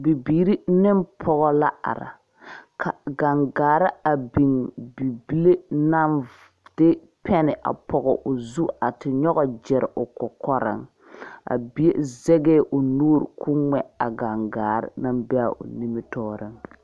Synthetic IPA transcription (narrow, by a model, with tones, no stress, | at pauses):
bi˨biː˨ɾi˦nɪ˦mpʰɔ˦ɣɔ˦la˦a̰˨ɾa̰˨ | kʰa˨ɡa˨ŋɡaː˨ɾɪ˦a˨bi˨ŋbi˨bi˦le˦na˦n | d̥ɪ˦ | pʰɛ˦nɪ˨ʔa̰˨pɔ˨ɣɔ˨ʔʊ˨zu˦a˨tɪ˨ɲɔ˦ɣɔ˨d͡ʒɛ˨ɾɪ˨ʔʊ˨kɔ˨kɔ˦ɾɪ̰˦ŋ | a̰˨bi˦e˦zɛ˦ɡɛ˦ʔʊ˨nuː˦ɾkʰu˦ŋɛ˦a˨ɡa˨ŋɡaː˨ɾɪ̰˦na˦mbɛ˦a˨ʔʊ̰˨ni˦mi˦tɔː˦ɾɪ˦ŋ